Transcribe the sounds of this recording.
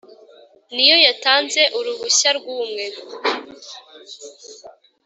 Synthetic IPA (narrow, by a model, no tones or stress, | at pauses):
nijo̞jataːnze̞ʔuɾuɾuɕaɾɡuːmŋe̞